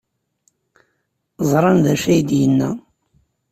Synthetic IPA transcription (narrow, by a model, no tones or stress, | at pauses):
zˤɾˤɑnðæʃæjd̪jənːæ